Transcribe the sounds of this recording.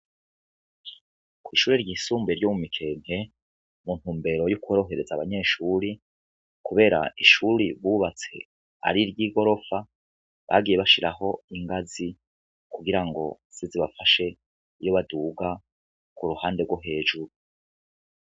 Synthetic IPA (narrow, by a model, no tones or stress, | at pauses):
kwiːʃuːɾeɾɟiːsuːmbeɾjomumikʰe̞ːn̥he̞ | mun̥uːmbe̞ɾo̞jukuoɾo̞ɦe̞ɾe̞zaβaɲe̞ːʃuɾi | kuβe̞ːɾa̰iʃuɾiβuːβat͡se̞̰ | a̰ɾiɾɟiːɡo̞ɾo̞fa | βa̰ɡiːje̞βaʃiɾa̰ɦo̞iŋɡazi | kuɡiɾaŋɡo̞̰z̥iziβafaʃe̞ | ijo̞βaduːɡa | kuɾuhaːnde̞ɡwoɦe̞ːʒuɾu